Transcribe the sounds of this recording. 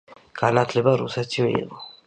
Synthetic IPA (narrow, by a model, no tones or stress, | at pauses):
ɡ̥anat̪ʰlɛbaɾṵsɛt̪ʰivɛ̰ḭqɔ